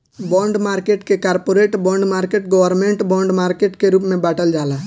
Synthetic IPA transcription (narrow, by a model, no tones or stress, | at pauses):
bɔ̃ːɳɖmaːɾkeʈkekaɾpoɾeʈbɔ̃ːɳɖmaːɾkeʈɡɔwəɾmẽɳʈbɔ̃ːɳɖmaɾkeʈkeɾuːpmẽbaːʈəld͡ʒaːla